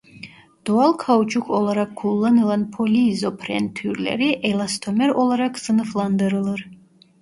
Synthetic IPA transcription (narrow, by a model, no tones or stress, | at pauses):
d̪̥ɔalˠkʰawut͡ʃʰʼukʰɔlˠaɾakʰːulˠːanɨlˠanpʰolʲiːzopʰrɛ̰nt̪ʰːyrlɛ̰ɾiʔɛlˠast̪ʰomɛɾɔlˠaɾakʰsɨnɨflˠand̪ɨɾɨlˠɨr